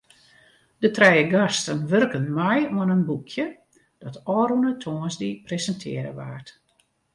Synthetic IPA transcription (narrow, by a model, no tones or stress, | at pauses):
d̥ətrɛjəɡastənʋørkənmɛjuənənbukʰjə | d̥ɔtɔːɾunətʰoːənzdipresəntʰɪ̰əɾə̰ʋa̰ːrt